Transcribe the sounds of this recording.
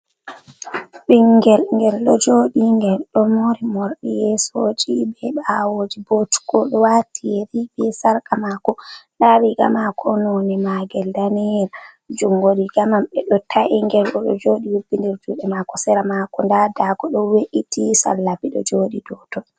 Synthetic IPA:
ɓiŋɡɛlŋɡɛlɗɔd͡ʒoɗiŋɡɛlɗɔmoɾimɔɾɗijɛsod͡ʒibɛɓawod͡ʒibotu̥ɡ̥ɔɗɔwatʰijɛɾibɛsaɾkamakɔɗaɓiɡamakʰɔnonimaɡɛldanɛɾ | d͡ʒuŋɡoɗiɡamamɓɛɗɔtʰaʔiŋɡɛlɗɔɗɔ̰d͡ʒoɗiwubːindiɾd͡ʒuɓɛmakɔsɛɾamakɔndadakɔɗɔweʔitisa̰lːabiɗɔ̰d͡ʒoːɗidɔtɔ

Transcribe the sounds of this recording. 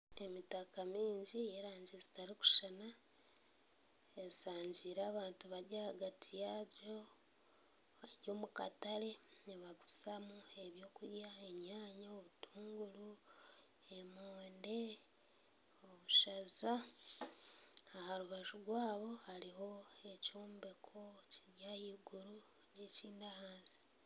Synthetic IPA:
e̞mitakamiːɲɟijeɾaːɲɟezi̥taɾiku̥ʃana | esaːɲɟiɾaːβaːntuβaɟahaɡatʰijaɾo | βaɟo̞ːmuka̰tale̞niβaɡusamue̞βjo̞ːkuɾjaeɲaːɲaoβutʰuːŋɡulu | emoːnde̞ | oβuʃaza | haɾuβaʒuɡwaːβo̞haɾiɦo̞ecoːmbe̞kʰociɟahiɡuɾu | neciːndahaːnzi̥

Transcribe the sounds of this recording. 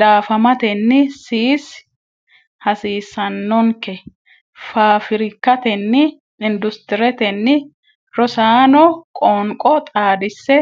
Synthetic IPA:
d̪aːfɐmɐt̪ɛnːɪsiːs | hɐsiːsːɐnːɔŋkɛ | faːfɪɾɪkːɐt̪ɛnːɪ | ɪnd̪ʊst̪ɪɾɛt̪ɛnːɪ | ɾɔsaːnɔkʼɔːŋkʼɔt̪ʼaːd̪ɪsːɛ

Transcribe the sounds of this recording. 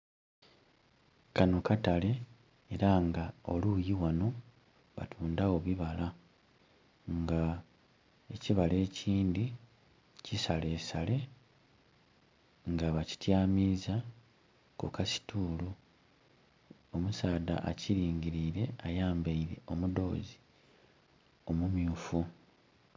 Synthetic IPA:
kano̞katale̞ | eɾaŋɡao̞̰luːjiwano̞ | βa̰tʰuːndawo̞βiβala | ŋɡa | e̞ciβale̞ːciːndi | cisale̞ːsale̞ | ŋɡaβaci̥tjaːmiːza | kukasi̥tʰuːlu | o̞musaːda̰ʔaciɾiːɲɟiɾiːɾe̞ajaːmbeiɾe̞̰o̞mudo̞̰ːzi̥ | o̞mumjuːfu

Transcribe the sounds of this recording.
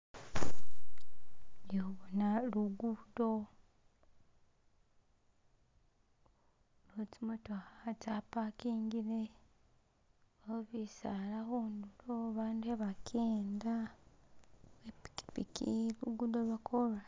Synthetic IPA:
joβonaluɡudo | lotimutoat͡ʃapakiːŋɡiɾe | oβisaːlaxuːnduloβaːndueβakʰeːnda | epi̥i̥pikiluɡudoβakʰolwa

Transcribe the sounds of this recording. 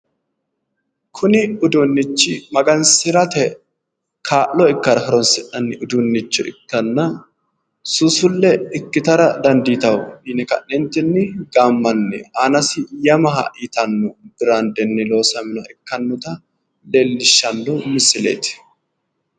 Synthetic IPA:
kʰʊnɪʊd̪ʊnːɪt͡ʃːɪmɐɡɐnsɪɾɐt̪ɛ | kʰaːʔːɔɪkːɐɾɐhɐɾɔnsɪᶑɐnːɪʔʊd̪ʊnːɪt͡ʃːʊɪ̰kːɐnːɐ | sʊsʊlːɛɪkːɪt̪ɐɾɐd̪ɐnd̪iːt̪ɐwninɛkɐ̰ʔːɛnt̪ːɛnːɪɡaːmːɐnːɛ̰aːnɐsɪjɐmɐɦɐ̰ʔiːt̪ɐnːʊb̥ɪɾaːnd̪ɛnːɪlo̞ːsɐmɪnɐʔɪkːɐnːʊt̪ɐ | lelːɪʃːɐnːʊmɪsɪlḛːt̪ɪ̥

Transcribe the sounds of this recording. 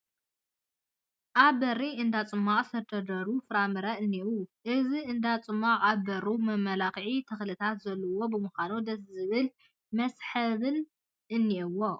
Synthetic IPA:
ʔaβbɐriɨnd̪at͡sʼɨmːaʔʼsɐd̪ʰɐd̪ɐɾufɨɾamɨɾɐʔɨnːiʔuʔɨziɨnd̪at͡sʼɨmːaʔʼaβbɐɾumɐmːɐlakʕit̪ʰɐxlɨt̪ʰat̪zɐlːɐwo̞bɨmɨxanod̪ɐszɨβɨl | mɐsħɐβɨn | ʔɨnːiʔɨwːo

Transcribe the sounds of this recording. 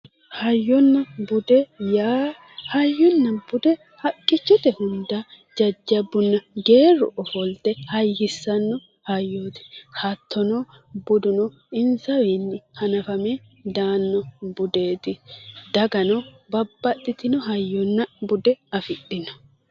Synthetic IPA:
hɐjːɔnːɐbʊd̪ɛjaː | hɐjːɔnːɐb̥ʊd̪ɛ | hɐkʼːɪt͡ʃːɔt̪ɛhʊnd̪ɐ | d͡ʒɐd͡ʒːɐbːʊnːɐɡe̞ːɾɔ̰ʔɔfɔlt̪ɛhɐjːɪsːɐnːɔ | hɐjːoːt̪ɪ̥hɐt̪ʰːɔnɔ | bʊd̪ʊnɔ | ɪnsɐwenːɪhɐnɐfɐmɛ | d̪aːnːɔbʊd̪e̞ːt̪ɪd̪̥ɐɡɐnɔ | bɐbːɐɗːɪt̪ɪnɔɦɐjːɔnːɐbʊd̪ɛɐfɪɗɪnɔ̥

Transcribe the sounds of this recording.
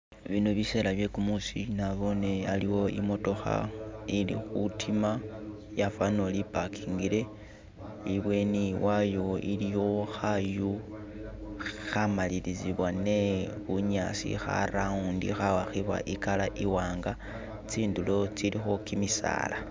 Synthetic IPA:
βinoβise̞laβje̞kumusinaβo̞ne̞aliwo̞ḭmo̞to̞xa̰ilḭxutʰima | jafanolipakʰiːŋɡile̞ | iβwe̞niwajo̞ilijo̞xaju | xamaliliziβwane̞βuɲasḭxa̰ɾaŋuːndḭxawaxiβa̰ʔikalaʔiwaːŋɡa | t͡siːndulo̞t͡silixo̞kimisa̰ːla

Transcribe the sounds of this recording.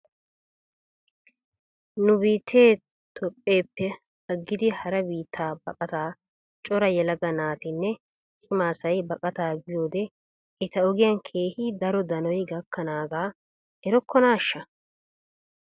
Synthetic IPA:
nʊbiːt̪ʰːe̞ː | t̪ʰɔpʼːe̞ːpːɛ | ɐɡːɪd̪ɪhɐɾɐbiːt̪ʰːaːbɐkʼɐt̪aː | t͡ʃʼɔɾɐjɛlɐɡɐnaːt̪ɪnːɛ | kʰɪmaːsɐjbɐkʼɐt̪aːbɪjo̞ːd̪ɛ | ʔɪt̪ɐɔɡɪjɐnkʰeːhɪd̪ɐɾɔd̪ɐnɔjɡɐkːɐnaːɡaː | ɛɾɔkːɔnaːʃːɐ

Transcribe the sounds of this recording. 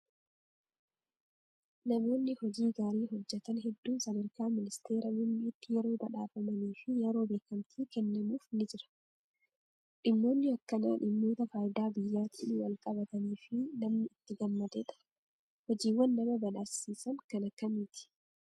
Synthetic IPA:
nɐmo̞ːnːɪhɔd͡ʒiːɡaːɾiːɦɔd͡ʒːɛt̪ɐnɦɛd̪ːuːnsɐd̪ɐɾkaːmɪnɪst̪eːɾɐmʊmːiːt̪ːɪjɛɾo̞ːbɐᶑaːfɐmɐniːfɪjɛɾo̞ːbeːkɐmt̪ʰiːkɛnːɐmuːfnɪd͡ʒɪɾɐ̥ | ᶑɪmːo̞ːnːɪɐkːɐna̰ːᶑɪmːo̞ːt̪ɐfaːjɪd̪aːbɪjːaːt̪ʰiːnɪwɐlkʼɐbɐt̪ɐniːfɪnɐmnɪɪt̪ːɪɡɐmːɐd̪ɛᶑɐ̥ | hɔd͡ʒiːwːɐnːɐmɐbɐᶑaːsiːsɐnkɐnɐkːɐmiːt̪ɪ̥

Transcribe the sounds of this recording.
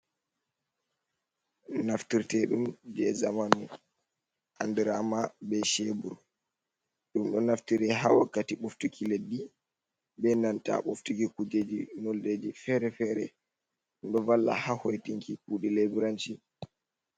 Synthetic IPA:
naftiɾtɛɗumd͡ʒɛzamanu | ʔandɛɾamabɛʃebuɾ | ɗumɗɔnaftiɾɛɦawakːatiɓoftukʰiledːi | bɛndanta̰ɓoftukikud͡ʒed͡ʒinolded͡ʒifɛɾɛfɛɾɛ | ɗumɗɔvalːa̰hahojtiŋkikuɗilebiɾant͡ʃi

